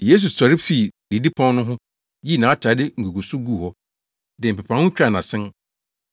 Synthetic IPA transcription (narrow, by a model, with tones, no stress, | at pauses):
jeː˨˦s̬u˨sa˨ɾɪ˦fi˦˨di˨di˦pʰɔ̃˦n˦nʊ̃˦ɦʊ̃˦ | ji˦˨nã˨˦tʰa˨˦dɪ˦ŋ̩˨ɡu˨ɡu˨sʊ˦ɡu˦˨hɔ˦ | dɪ˨m̩˨pɛ˨pʰã˨˦hʊ̃˦t͡ɕᶣa˨nã˨sɪ̃˦n